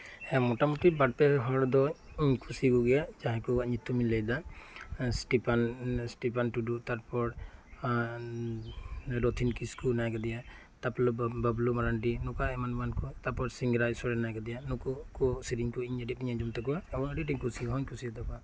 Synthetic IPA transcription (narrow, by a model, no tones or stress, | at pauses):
ɛmɔtamɔt̪ibat̚pɛɦɔɾd̪ɔ | iɲkʰusiɡuɡɛjad͡ʒaɦkɔɡaɲit̪ːuminlɛjd̪a | sʈipansʈipʰanʈudut̪aɾpɔɾ | ɾɔt̪ʰinkiskunajakad̪ɛja | t̪aplbablumaɾanʈinɔkaɛmanbankɔt̪apɔɾsiŋɡɾajsɔɾɛnajkɛd̪ijanukukɔsiɾiŋkɔiɲɛdip̚iɲad͡ʒɔmt̪ɛkɔwaːbɔnadiʈiɲkusiɡɦɔɲkʰusiad̪ɔka